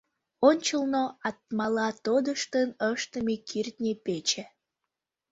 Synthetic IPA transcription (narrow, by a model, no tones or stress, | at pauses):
onʲt͡ɕəlnoɑt̪mɑlɑt̪od̪əʃt̪ənəʃt̪əmikʰirt̪̚nʲepet͡ɕe